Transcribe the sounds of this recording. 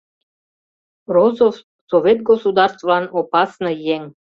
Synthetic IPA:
rozof | sovʲet̪̚ɡosud̪ɑrst̪vlɑnopɑsnə̆jeŋ

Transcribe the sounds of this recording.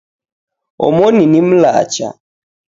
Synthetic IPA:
ɔ̰mɔninim̩la̰t͡ʃa̰

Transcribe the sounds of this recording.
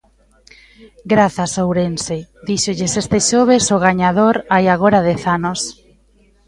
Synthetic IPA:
ɡɾaθasowɾensed̪iʃoʎɪsest̪ɪʃoβ̞esoɣaɲaðoɾajaɣoɾað̞eθanos

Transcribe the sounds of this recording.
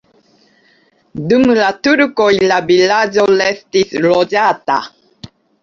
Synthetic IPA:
dumlatuɾkojlavilad͡ʒolestislod͡ʒata̰

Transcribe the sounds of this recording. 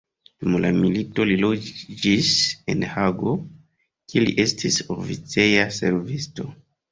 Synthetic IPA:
d̥umla̰milito̞lilod͡ʒd͡ʒise̞̰nhaɡo̞ | kʰilḭʔe̞stʰiso̞fit͡se̞jase̞ɾvisto̞

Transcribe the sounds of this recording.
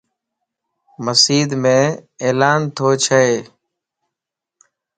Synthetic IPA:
məsiːd̪mẽːeːlaːnt̪ʰoːt͡ʃʰəeː

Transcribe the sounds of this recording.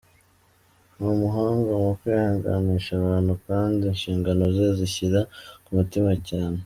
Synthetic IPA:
momuɦaːŋɡomokwejhaːŋɡa̰niʃaβaːnhukaːndinʃiːŋɡano̞zeziçiɾakumutimacaːne

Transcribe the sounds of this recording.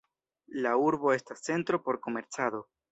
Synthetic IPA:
lauɾbo̞e̞stase̞nt̪ɾo̞po̞ɾko̞me̞ɾt͡saðo̞

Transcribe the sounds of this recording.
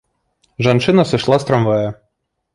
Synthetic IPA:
ʒɐnt͡ʃɪnɐsɪʃlˠɑst̪ɾɐmʋɛjɐ

